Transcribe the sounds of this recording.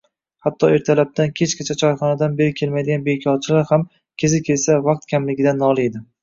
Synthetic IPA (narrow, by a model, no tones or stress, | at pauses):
hat̪ʰːɒe̞ɾt̪ʰalap̚d̪ʰankʲʰe̞t͡ʃkʲat͡ʃʰat͡ʃʰɒɾχɒnad̪anbe̞ɾɪkʲʰe̞lmajd̪ɪɡʲanbekʲʰɒɾt͡ʃʰɪlaɾham | kʲʰe̞zɪkʲʰe̞lsavaq̚t̪kʲʰamlɪɡʲɪd̪anːɒlˠɪed̪ɪ